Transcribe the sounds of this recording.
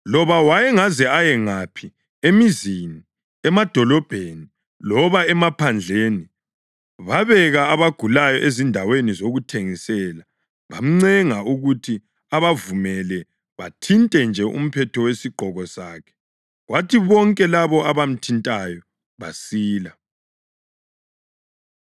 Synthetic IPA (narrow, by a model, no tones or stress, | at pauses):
lɔβawajɛŋazɛajɛŋapʰi | emizini | ɛmad̥ʱɔlɔb̥ʱeːni | lɔβaɛmapʰand͡ɮʱeni | βaβɛɣaːβaɡ̥ʱulajɔʔezindʱawenizoɣutʰeŋisɛla | βa̰m̩ŋ͡ǀɛŋaʔuɣutʰi | aβavumɛlɛ | βatʰintʼɛnd͡ʒʱɛʔṵm̩pʰɛtʰɔwesiɡ͡ǃʱɔɣɔsaːkʰɛ̥ | ɣwatʰiβɔŋkʼɛlaβɔaβam̩tʰintʼajɔ | βasiːla